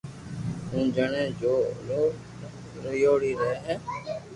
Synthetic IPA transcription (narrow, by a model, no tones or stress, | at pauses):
ɦũːd͡ʒəɳẽːd͡ʒoːloː | ɾəjoːɽiːɾəɦeːɦɛ̃ː